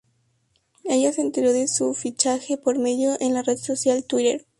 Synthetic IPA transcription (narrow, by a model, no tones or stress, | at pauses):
e̞ʝase̞ːnt̪e̞ɾo̞ðe̞sufit͡ʃaxe̞po̞ɾme̞ðjo̞ʔenlare̞ðso̞sjalt̪wiɾeɾ